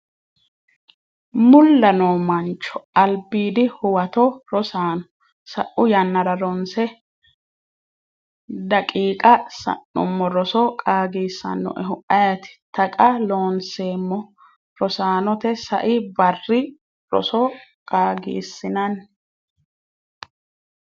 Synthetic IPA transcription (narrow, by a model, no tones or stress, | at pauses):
mʊlːɐnoːmɐnt͡ʃːɔ̥ɐlbiːd̪ɪhʊwɐt̪ɔɾɔsaːnɔ | sɐ̰ʔʊjɐnːɐɾɐɾɔnsɛ | d̪ɐkʼiːkʼɐsɐ̰nːʊ̰mːɔɾɔsɔkʼaːɡiːsːɐ̰nːɔ̰ʔɛɦʊʔɐjɐt̪ɪ̥t̪ɐkʼɐloːnseːmːɔ | ɾɔsaːnɔt̪ɛsɐ̰ʔɪbɐrːɪ | ɾɔ̰sɔkʼaːɡḭːsːɪnɐn